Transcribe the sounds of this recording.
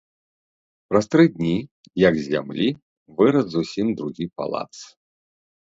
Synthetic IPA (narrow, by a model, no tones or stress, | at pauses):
pɾast̪ɾɨd̪ʲnʲi | jɐɡzʲa̰mlʲi | vɨɾɐzzusʲimd̪ɾuɣʲipa̰lˠa̰t̪s